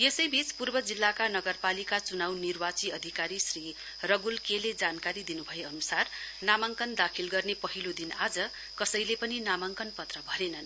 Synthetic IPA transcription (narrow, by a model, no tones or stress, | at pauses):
jesʌjbit͡spurbʌd͡zilːakanʌɡʌrpalikat͡sunawnirbat͡siʌd̪ʱikaɾisri | rʌɡulkeled͡zankaɾid̪inubʱʌjeʌnusarnamaŋkʌnd̪akʰilɡʌrnepʌɦilod̪inad͡zʌ | kʌsʌjlepʌninamaŋkʌnpʌt̪rʌbʱʌɾenʌn